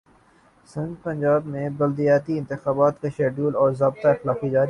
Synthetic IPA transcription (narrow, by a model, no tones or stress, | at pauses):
sɐ̃ŋɡpɐ̃ɲd͡ʒaːbmẽbɐld̪ijaːt̪iɪnt̪ɪxaːbaːt̪keʃeːɖjuːlɔːɾzaːbt̪aɪxlaːfid͡ʒaːɾi